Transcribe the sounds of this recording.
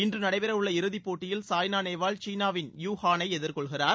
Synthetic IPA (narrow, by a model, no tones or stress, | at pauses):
ɪndrɯnɐɽɐɪʋɪɾɐʋɯɭːɐɪɾɯðipːoːʈːɪjɪlsaːjnaːneːʋaːɭt͡ʃiːnaːʋɪnjuːhaːnɐɪɛðɪɾkɔɭɣɪraːɾ